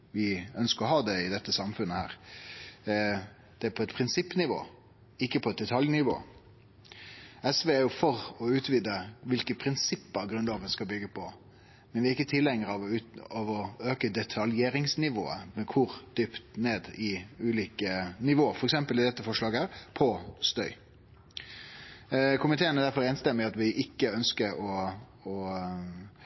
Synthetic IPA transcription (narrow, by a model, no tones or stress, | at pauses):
ʋɪœnskəɾɔhɑːd̪ɛɪd̪ɛt̪ːəsɑmfʉnːəhæ̰ːɾ | d̪̥ɛæpʰɔɛt̪pʰɾɪnsɪpːnɪʋo̰ː | ɪkːəpʰɔɛt̪̚d̪ɛt̪ʰɑljnɪʋo̰ː | ɛsʋeːæɾjʊfɔɾɔʉːt̪ʋiːd̪əʋɪlkəpʰɾɪnsɪpːəɾɡɾʉnd̪ɑːɡənskɑlbʏɡːəpʰɔ | mɛnʋɪæɾɪkːət̪ʰɪlːɛŋːəɾəɑʋɔɑʋɔøːkəd̪ɛt̪ʰɑljeːɾɪŋsnɪʋo̰ːə̰mɛkʰʊɾd̪̥ʏpt̪neːd̪ɪʉːliːkənɪʋoːəɾfɔɾɛksɛmpəlɪd̪ɛt̪ːəfɔʂlɑːɡəæːɾpʰɔst̪œʏ | kʰʊmɪt̪ʰeːənæd̪æɾfɔɾɛːnst̪ɛmːɪɑt̪ʋɪʔɪkːəœnskəɾɔ | ɔ